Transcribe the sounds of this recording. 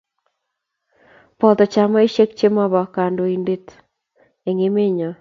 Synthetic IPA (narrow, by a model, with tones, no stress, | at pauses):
pɔ˨t̪ɔ˨t͡ʃa˨ma˦i˦ʃe˦kt͡ʃe˦ma˦βɔ˨ka˨ndo˨inde˦t | e˨ŋe˦me˦ɲɔ˨